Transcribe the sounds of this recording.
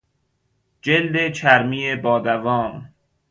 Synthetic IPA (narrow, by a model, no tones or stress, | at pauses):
d͡ʒeld̪et͡ʃʰæɾmiːebɒːd̪ævɒːm